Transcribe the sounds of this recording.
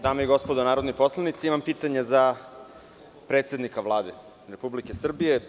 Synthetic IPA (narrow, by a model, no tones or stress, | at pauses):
d̪aːmeiɡo̞spod̪onaːɾod̪nojposlˠanit̪siimampiːt̪aɲeza | pɾet̪sed̪nikaʋlˠaːd̪e | ɾepublikesr̩bije